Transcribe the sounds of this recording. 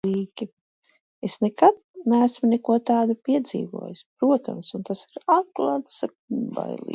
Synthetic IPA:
iːkʲi | esnekad̪̚næːsmunɛkuɔt̪aːd̪upiɛd̪zḭːvṵɔjɪspɾuɔt̪a̰msunt̪asiɾat̪̚klˠaːt̪sakba̰jlˠḭ

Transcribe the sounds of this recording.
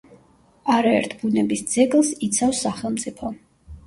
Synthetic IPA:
aɾaɛ̰ɾt̪ʰbunɛbisd̪zɛɡlˠsit̪sʰafsːaχɛlˠmt̪sʼipʰɔ

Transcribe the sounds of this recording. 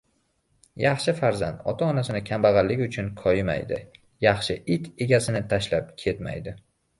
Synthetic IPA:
jɑχʃɪfaɾza̰nd̪ɒ̰t̪ʰaɒnasɪnɪkʲʰambaʁɑlːɪɡʲʊt͡ʃʰʊnkʰɒjɪma̰jd̪ɪ̰ | jɑχʃɪʔɪt̪ʰe̞ɡʲasɪnɪt̪ʰaʃlap̚kʲʰe̞t̪ma̰jd̪ɪ

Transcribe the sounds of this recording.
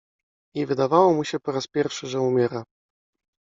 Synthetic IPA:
ɲɛvɘd̪avawɔmuɕɛpɔɾaspʲjɛɾfʂɘʐɛumʲjɛɾa

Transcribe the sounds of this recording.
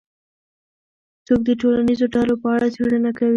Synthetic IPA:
t͡sok̚d̪əʈolanizoɖalopəaɽat͡seɽənakawi

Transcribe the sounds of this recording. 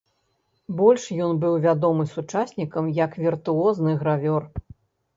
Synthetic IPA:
bɔlʲʂjɔnbɨwvʲad̪ɔmɨsut͡ʂasʲnʲikɐmjɐkvʲirt̪uɔznɨɣɾavʲɔr

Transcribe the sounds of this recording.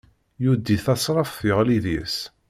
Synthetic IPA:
jud̪iθɑsˤɾˤɑfθjəʁliðis

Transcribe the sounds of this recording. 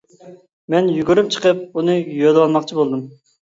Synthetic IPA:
mɛnjyɡʲyɾyp̚t͡ʃʰə̥qəp̚unɨjølwɑnmɑχt͡ʃʰibolˠd̪ɨm

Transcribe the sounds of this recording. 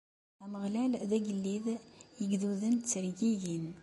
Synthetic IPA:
æməʁlælðæɡəlːiðjəɡðuðəntt͡sːəɾjijin

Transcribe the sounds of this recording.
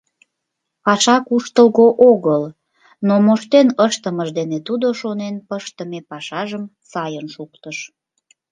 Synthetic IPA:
pɑʃɑkuʃt̪əlɣoʔoɣəl | nomoʃt̪enəʃt̪əməʒd̪enet̪ud̪oʃonenpəʃt̪əmepɑʃɑʒəm | sɑjənʃukt̪əʃ

